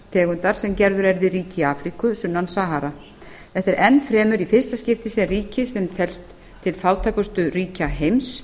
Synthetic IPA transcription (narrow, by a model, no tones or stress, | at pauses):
t̪ʰɛːɣʏnt̪aɾ̥sɛmcɛɾðʏɾɛɾvɪðriːcɪaːfɾikʏsʏnːansaːɦaɾa | θɛht̪ɛɾʔɛnːfɾɛːmʏɾifɪr̥st̪ascɪft̪ɪsɛriːcɪsɛmt̪ʰɛlst̪ʰː | ɪlfaːwt̪ʰakʏst̪ʏriːcaɦejms